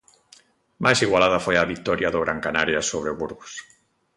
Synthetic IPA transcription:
majsiɣwalaðafojaβik̚t̪ɔɾjaðoɣ̞ɾaŋkanaɾjasoβ̞ɾeβuɾɣos

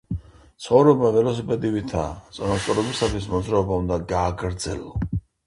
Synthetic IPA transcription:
tt̪sʰχɔvɾɔbavɛlɔs̬ipʼɛd̪ivit̪ʰa̰t̪sʼɔnast̪ʼɔɾɛbisat̪ʰwismɔd̪zɾaɔbaund̪aɡaːɡɾd̪zɛ̰lɔ

